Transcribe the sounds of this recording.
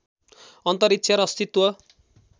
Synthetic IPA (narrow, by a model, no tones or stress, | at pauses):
ʌnt̪ʌɾit̪ːt͡ʃʰʌɾʌst̪it̪wʌ